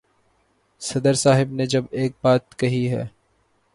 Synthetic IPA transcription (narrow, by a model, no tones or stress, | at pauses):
sɐd̪əɾsaːɦɪbned͡ʒɐbeːk̚baːt̪kɐɦiɦɛ̰ː